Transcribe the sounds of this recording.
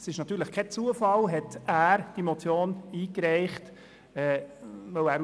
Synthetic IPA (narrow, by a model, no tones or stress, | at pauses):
sɪʃnɑt̪ːyːɾləχkʰɛt͡suəfɑlɦɛtæːɾd̥imot͡sjoːniːkɾɛɪχt | ɛːvœwæːɾ